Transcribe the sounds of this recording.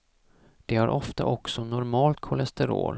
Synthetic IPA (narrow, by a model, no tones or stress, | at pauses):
d̪̥ɛhaɾʔɔft̪a̰ʔɔksɔnʊɾmɑːlt̪̚kʰɔlɛst̪ɛɾo̰ːl